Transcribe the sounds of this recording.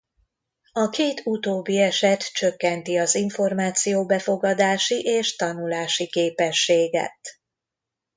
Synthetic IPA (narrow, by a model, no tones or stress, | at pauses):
ɒkeːt̪ut̪oːbːiɛʃɛt̪t͡ʃøkːɛnt̪iɒziɱfo̞rmaːt̪sijoːbɛfo̞ɡɒd̪aːʃiʔeːʃt̪ɒnulaːʃikeːpɛʃːeːɡɛ̰t̪